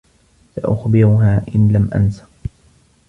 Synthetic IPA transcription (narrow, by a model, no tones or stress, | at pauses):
saʔʊ̰xbɪɾʊɦaːʔɪnlamʔa̰nsḁ